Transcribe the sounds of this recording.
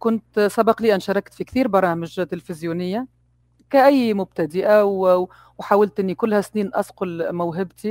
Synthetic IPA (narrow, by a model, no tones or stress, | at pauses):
kʊnt̪sˤɑbɑqliːʔænʃɑɾˤɑkt̪fikθiːɾbɑɾˤɑːmɪʒt̪ɪlfɪzjuːnɪjːa | kaʔæjːmʊb̚t̪ad̪ɪʔaw | wħaːwalt̪ʔɪnːikʊlːhæsniːnʔɑsqʊlmʊwɦɪbt̪i